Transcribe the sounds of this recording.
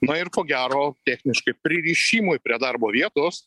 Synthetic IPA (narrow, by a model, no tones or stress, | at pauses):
nɐɪrkoːɡʲæːɾoːt̪ʲæːxʲnʲɪʃkɐɪpʲɾʲɪɾʲiːʃʲiːmʊjpʲɾʲiɛd̪ɐrboːʋʲiɛt̪ʊs